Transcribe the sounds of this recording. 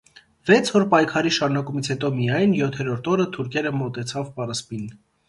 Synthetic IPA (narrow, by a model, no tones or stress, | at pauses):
vɛt͡sʰhɔɾpɑjkʰɑɾiʃɑɾunɑkumit͡sʰhɛt̪ɔmijɑjnjɔt̪ʰɛɾɔɾt̪ʰɔɾət̪ʰuɾkʰɛɾəmɔt̪ɛt͡sʰɑvpɑɾəspin